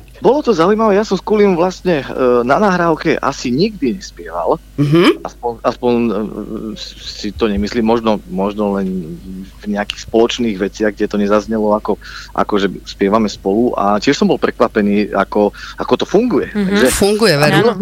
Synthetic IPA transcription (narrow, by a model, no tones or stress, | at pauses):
bɔlɔt̪ɔzaujmaʋɛːjasɔmskuliuʋlast̪ɲɛnanaːɦɾaːʊkɛʔa̰siɲiɡd̪iɲɛspɪɛʋa̰l | ɦa̰spɔnaspɔɲ | sit̪ɔɲɛmisliːmːɔʒnɔmɔʒnɔlɛnvɲɛakiːxspɔlɔt͡ʃniːɣʋɛt͡sɪaɣɡɟɛt̪ɔɲɛzazɲɛlɔakɔʔa̰kɔʒɛspɪɛʋamɛspɔluʔa̰cɪɛʃsɔmbɔlpɾɛkʋapɛniːa̰kɔakɔt̪ɔfuŋɡujɛt̪aɡʒɛfuŋɡujɛʋɛɾi